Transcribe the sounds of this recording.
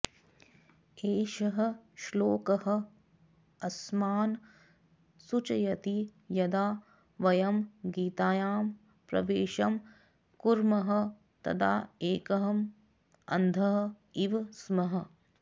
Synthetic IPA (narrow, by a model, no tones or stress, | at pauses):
eːʃɐɦɐ̆ʃloːkɐɦɐ̆ | ɐsmaːn | sut͡ʃɐjɐt̪ijɐd̪aː | ʋɐjɐmɡiːt̪aːjaːm | pɾɐ̰ʋeːʃɐm | kuɾmɐɦɐ̆ | t̪ɐ̰t̪ʰa̰ːeːkɐɦɐm | ɐ̰nd̪ʱɐɦɐ̆ | iʋsmɐɦɐ̆